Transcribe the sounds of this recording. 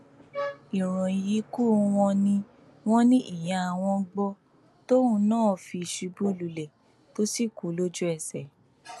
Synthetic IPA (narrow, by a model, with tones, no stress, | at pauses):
i˨ɾ̃ɔ̃˨ji˨˦ku˦˨˦w̃ɔ̃˧nĩ˧ | w̃ɔ̃˦nĩ˦ʔi˦˨j̃ã˨˧a˨w̃ɔ̃˧ɡ͡bɔ˧ | to˦ũ˧nãː˦˨fi˧˨ʃi˧bu˦lu˨lɛ˨ | to˦si˦˨ku˨˦lo˦d͡ʒu˦ɛ˨sɛ˨